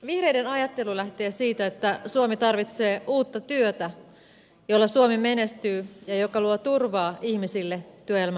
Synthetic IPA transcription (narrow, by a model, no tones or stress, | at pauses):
ʋihre̞jde̞nɑjɑt̪ːe̞lulæht̪e̞ːsiːt̪æet̪ːæsuomit̪ɑrʋit̪se̞ːuːt̪ːɑt̪yøt̪æ | jo̞lːɑsuomime̞ne̞st̪yːjɑjo̞kɑluot̪urʋɑːʔihmisilːet̪yøjelmæ